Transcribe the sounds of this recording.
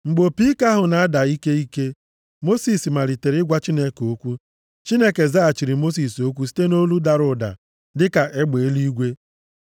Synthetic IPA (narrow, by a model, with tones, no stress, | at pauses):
ŋ͡m̩˨ɡ͡bo˨pi˦ka˦ɦʊ˨na˨a˦da˨i˦ke˦i˦ke˦ | mo˦si˨si˨ma˨ɾi˨te˨ɾɪ˦ɡʷa˦t͡ʃi˦ne˦ko˦kʷu˦ | t͡ʃi˦ne˦ke˨za˦a˨t͡ʃi˨ɾi˨mo˦s̬i˨so˦kʷu˦si̥˦te˦no˦lu˦da˨ɾʊ˨da̰˨ | dɪ˦ka˨ʔe˦ɡ͡be˨e˦li˦ɡʷe˦